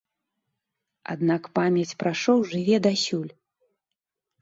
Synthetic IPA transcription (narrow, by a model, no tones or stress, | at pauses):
a̰d̪nakpamʲjɐt͡sʲpɾaʂɔwʐɨvʲɛd̪asʲulʲ